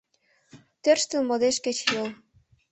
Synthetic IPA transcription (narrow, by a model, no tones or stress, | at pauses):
t̪ørʃt̪əlmɤd̪eʃket͡ɕjol